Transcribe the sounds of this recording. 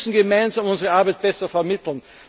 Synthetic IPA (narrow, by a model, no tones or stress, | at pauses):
sn̩ɡəmaɪnzamʊnzəʁəaɐbæɪt̚b̥ɛsɐfɛɐmɪtl̩n